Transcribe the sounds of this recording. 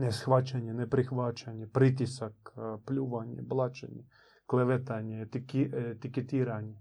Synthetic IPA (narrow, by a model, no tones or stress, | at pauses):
nɛsxʋat͡ʃanʲɛnɛpɾɪxʋat͡ʃanʲːɛpɾɪt̪ʲisɐkplʲuʋanʲːɛ̰blˠɑt͡ʃḛnʲɛ | klˠeʋɛt̪anʲɛt̪ikit̪ʲɪket̪ʲiɾanʲːɛ